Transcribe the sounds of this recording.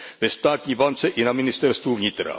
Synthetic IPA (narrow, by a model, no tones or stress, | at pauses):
vest̪at̪ivanseʔinamːinist̪ɛɾst̪uvɲit̪ɾa̰